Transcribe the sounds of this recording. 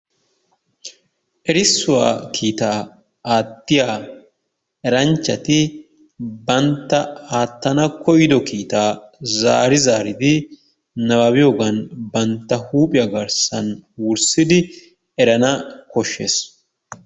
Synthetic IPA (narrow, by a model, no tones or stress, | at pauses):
ʔɛɾɪsːʊwa̰ːkʰiːt̪aː | aːt̪ːɪjaː | ɛɾɐnt͡ʃːɐt̪ɪ | bɐnt̪ːɐaːt̪ːɐnɐkɔjɪd̪ɔkiːt̪aːzaːɾɪzaːɾɪd̪ɪ | nɐbabɪjoːɡɐnbɐnt̪ːɐhuːpʼɪjɐɡɐɾsɐnwʊɾsɪd̪ɪ | ɛɾɐnɐkɔʃːḛːs